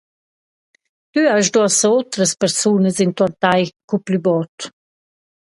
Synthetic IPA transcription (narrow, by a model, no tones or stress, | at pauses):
t̪yaʒdɔsəot̪ɾəspɛɾsunəzint̪ɔnt̪ajkuplybɔt